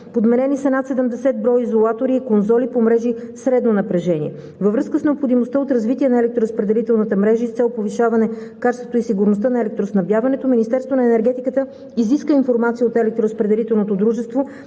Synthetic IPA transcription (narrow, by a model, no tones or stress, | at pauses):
pod̪mɛɾɛnisɐnat̪sɛd̪əmd̪ɛsɛt̪̚bɾɔjizolˠat̪oɾiːkonzɔlipomɾɛʒisɾɛd̪nonɐpɾɛʒɛnḭɛ | vəvɾɤskəsnɛopxod̪imost̪əot̪ɾɐzvit̪iɛnɐɛlɛk̚t̪ɾoɾəspɾɛd̪ɛlit̪ɛlˠnət̪əmɾɛʒəist̪sɛlˠpoviʃavɐnɛkat͡ʃɛst̪vot̪oʊisiɡʊɾnost̪ənɐɛlɛk̚t̪ɾosnɐbjavɐnɛt̪ominist̪ɛɾst̪vonɐɛnɛɾɡɛt̪ikət̪ə | iziskəinfoɾmat̪siəot̪ɛlɛk̚t̪ɾoɾəspɾɛd̪ɛlit̪ɛlˠnot̪od̪ɾuʒɛst̪vo